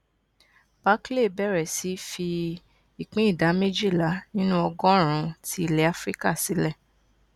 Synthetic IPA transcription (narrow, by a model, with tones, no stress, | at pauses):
b̥a˦kle˦˨bɛ˦˨ɾɛ˨si˨˦fi˧ | i˨k͡pĩ˨˦i˦˨da˨˦me˦d͡ʒi˦˨la˨˦nĩ˦nũ˦ɔ˧ɡɔ̃˦ɾ̃ũ˨˦ti˦i˦˨le˦a˦fɾi˦ka˦˨si˨˦lɛ˦˨